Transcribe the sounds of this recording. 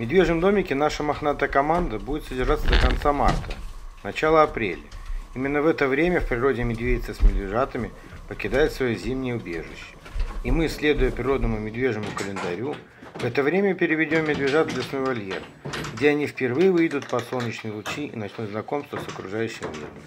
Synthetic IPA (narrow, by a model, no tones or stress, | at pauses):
mʲɪd̪vʲe̞ʐnəmd̪o̞mʲɪkʲɪnaʂəmɐxnat̪əkɐmand̪əbudʲɪt̪sədʲɪrʐat̪səd̪əkɐnt̪sama̰rt̪ə̰nɐt͡ɕalˠəɐpɾʲḛlʲəimʲɪnːəvɛt̪əvɾʲemʲəfpɾʲɪɾo̞dʲɪmʲɪd̪vʲedʲɪt̪səsʲmʲɪd̪vʲɪʐat̪əmʲɪ | pəkʲɪd̪ajɪt̪svɐjozʲimnʲɪjəʊbʲe̞̰ʐɨ̰ɕːɪ̥ | imɨsʲlʲe̞d̪ʊjəpɾʲɪɾo̞d̪nəmʊmʲɪd̪vʲe̞ʐnəmʊkəlʲɪnd̪ɐɾʲu | vɛt̪əvɾʲemʲəpʲɪɾʲɪvʲɪdʲo̞mːʲɪd̪vʲɪʐat̪zlʲɪsnojvɐlʲjḛr | ɡdʲeɐnʲifpʲɪrvɨjɪvɨjd̪ʊt̪pɐsˠolˠnʲɪt͡ɕnɨjɪlˠʊt͡ɕiḭnɐt͡ɕnʲut̪znɐko̞mst̪vəsəkɾʊ̰ʐajʉɕːɪmvʲḛd̪ʲɪ̰